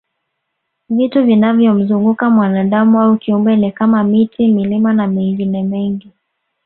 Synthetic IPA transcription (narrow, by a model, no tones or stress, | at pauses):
vituvinavjɔm̩zuŋɡukamwanaɗamuaukiumbɛnikamamitʰimilimanamiŋɡinɛmɛŋɡi